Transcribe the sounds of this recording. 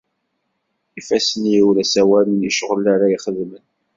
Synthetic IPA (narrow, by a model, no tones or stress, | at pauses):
ifæsənjiwlæsæwæləniʃʁəlaɾaiχəðmən